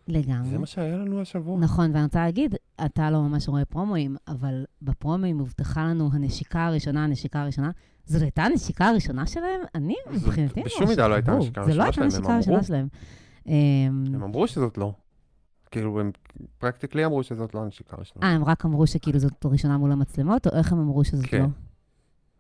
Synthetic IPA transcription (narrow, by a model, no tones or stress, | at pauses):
leɡamzʁeemaʃeajalanuaʃavunaχo̞nveaniʁot͡saleːɡidatalo̞mamaʃʁoe̞pʁo̞mo̞imavalbepʁo̞moimuvtaχalanuɦane̞ʃikaːʁiʃo̞naaneʃikaːʁiʃo̞na | zotajtaane̞ʃikaːʁiʃo̞naʃe̞lahemanimibχinattibeʃumːidaloajt̪aukaʁelo̞ataneʃikaʁiʃo̞naʃelae̞m | ʔememamʁuʃezot̪lo | kiiluem | pʁakt̪ikliamʁuʃezot̪loaneʃi̥ka̰ʁḭʃonaaemʁakamʁuʃekiiːluzotʁiʃo̞namulamat͡slemo̞to̞̰ʔe̞χhemamʁuʃezotlo̞